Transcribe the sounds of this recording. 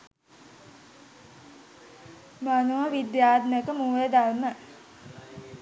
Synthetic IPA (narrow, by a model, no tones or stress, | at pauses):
manuʋəʋid̪jaːd̪nəkəmuːləd̪armə